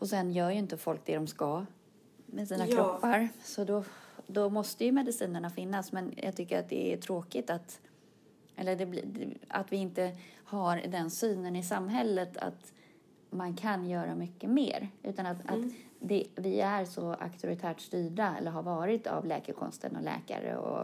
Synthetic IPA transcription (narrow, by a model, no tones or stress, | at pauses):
ɔsɛnjœːɾjɵɪnt̪əfɔlk̚d̪ɛd̪ɔmska | mɛsiːnakɾɔpːaɾsɔd̪ɔd̪ɔmɔst̪əjɵmɛd̪ɪsiːnəɳafɪnːasmɛnja̰ɡ̚t̪ʰʏkːəɾa̰t̪̚d̪ɛ̰æ̰ʈʰɾoːkɪt̪at̪ | ʔɛlːəɖɛbla̰t̪vɪɪnt̪əhaɾd̪ɛnsyːnənɪsamːɦɛlːət̪ʰa̰t̪ | mankʰanjœːɾamʏkːəmḛːɾʔʉ̟̰ːt̪anat̪at̪d̪ɛvɪæɾsɔa̰kt̪ʰʊɾɪt̪ʰæːʈst̪yːɖaɛ̰lːəɾɦaɾvɑːɾɪt̪ʰa̰vlɛ̰ːkəɾkʰɔ̰nst̪ʰə̰nɔ̰lɛ̰ːka̰ɾə̰ɔ̰